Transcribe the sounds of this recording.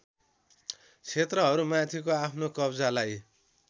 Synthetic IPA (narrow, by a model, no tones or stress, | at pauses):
t͡sʰet̪rʌɦʌɾumãt̪ʰikoapʰnokʌbd͡zalaj